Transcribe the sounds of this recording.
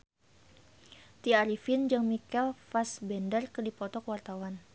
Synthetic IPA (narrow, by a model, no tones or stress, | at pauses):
t̪iaɾifind͡ʒaŋmikɛlfasbɛndərkərdipɔt̪ɔkwart̪awan